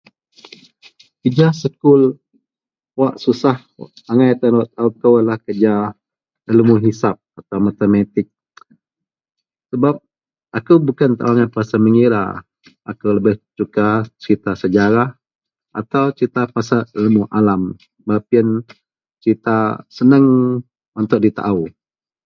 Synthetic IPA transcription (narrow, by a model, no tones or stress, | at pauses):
kəd͡ʒasəkʊl | waʔsusah | aŋajat̪anwaʔt̪aukəwəlahkəd͡ʒa | ələmuɦisap̚at̪awmat̪əmat̪ɪk̚ | səbap̚ | akubukant̪aʔaaŋajpasaməŋiɾa̰ | ʔa̰kuləbɪht͡ʃukat͡ʃəɾit̪asəd͡ʒaɾah | ʔat̪awt͡ʃɾit̪apasaələmuʔalam | bap̚iən | t͡ʃɾit̪asənəŋ | ɔnt̪ʊʔ̚dit̪a̰ʔaw